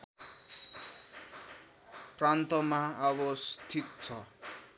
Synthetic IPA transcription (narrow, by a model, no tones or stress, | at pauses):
prant̪ʌmaʌβʌst̪ʰit̪̚t͡sʰʌ